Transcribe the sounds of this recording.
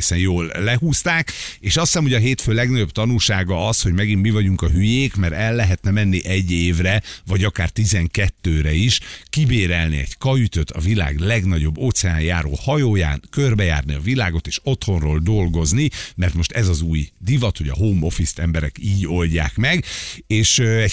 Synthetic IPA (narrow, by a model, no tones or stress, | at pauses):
sɛnjoːlːɛɦuːst̪aːkeːʃɒst̪amho̞ɟɒɦeːt̪føːlɛɡnɒɟo̞bt̪ɒnulʃaːɡɒɒsho̞ɟmɛɡinmivɒɟuŋkɒɦyjeːkmɛɾɛlːɛɦɛt̪nɛmɛnːiʔɛɟːeːvrɛvɒɟɒkaːrt̪izɛŋkɛt̪ːøːɾɛiʃkibeːɾɛlnḭɛ̰ɟkɒyt̪øt̪ʰɒ̰vila̰ːɡlɛɡnɒɟo̞bːoːt̪sɛaːnjaːɾo̰ːhɒjoːja̰ːnkørbɛja̰ːrniɒvilaːɡo̞t̪eːʃo̞t̪ho̞nroːld̪o̞lɡo̞znimɛrt̪mo̞ʃt̪ɛzɒzuːjd̪ivɒt̪ho̞ɟɒ̰ɦoːmo̞fist̪ɛmbɛɾɛkiːɟo̞lɟa̰ːkmɛɡeːʃɛɟ